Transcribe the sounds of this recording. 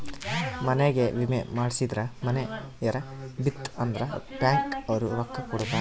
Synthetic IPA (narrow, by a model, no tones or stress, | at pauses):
mɐneɡeʋimemaːɽisid̪ɾɐmɐne | ɐɾɐ | bit̪ːɐnd̪ɐɾɐpaːŋkɐʋɐɾuɾɐkːɐkɔɽut̪ːaː